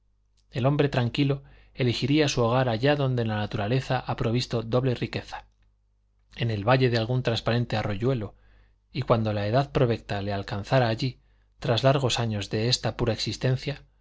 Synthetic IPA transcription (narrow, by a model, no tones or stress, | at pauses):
e̞lo̞mbɾe̞t̪ɾaŋkilo̞ | e̞lixiɾiasuoɣ̞aɾaʝaðo̞nd̪e̞lanat̪uɾale̞θaʔapɾo̞β̞ist̪o̞ðo̞βle̞rike̞θḁ | e̞ne̞lβaʎe̞ðealɣunt̪ɾanspaɾe̞nt̪e̞aro̞ʝwe̞lo̞ | ikwand̪o̞lae̞ðaðpɾo̞βe̞k̚t̪ale̞alkanθaɾaːʎi | t̪ɾazlaɾɣ̞o̞saɲo̞zðe̞est̪apuɾaeksist̪e̞n̟θja